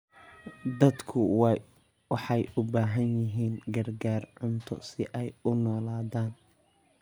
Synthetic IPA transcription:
d̪ɐd̪kʰʊw | wɑħɑjʊbaːɦɐnjɪɦiːnɡɐrɡaːrʕʊnt̪ʰɔ̰sɪʔɛjʊnɔːlaːðaːn

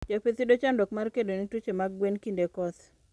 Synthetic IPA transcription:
d͡ʒapet̪idot͡ʃandɔkmarkedonitut͡ʃemaɡwenkindekɔt̪

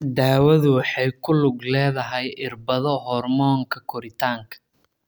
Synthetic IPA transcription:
d̪aːwɐðʊwɑħɑjkʰʊlʊɡlɛːðɐɦɛjʔɪrbɐðɔɦɔrmɔːŋkʰɐkʰɔɾɪt̪ʰaːŋkʰɐ̥

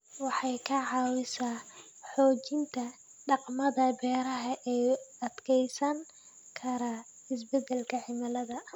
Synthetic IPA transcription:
wɑħɑjkʰɐʕɑːwɪsaː | ħɔːt͡ʃɪnt̪ʰɐ | ɖɑqmɐðɐbɛːɾɐɦɐʔɛːɐd̪kʰɛjsɐŋ | kʰɐɾɐ | ɪs̬bɛd̪ɛlkʰɐħɪmɐlɐðɐ

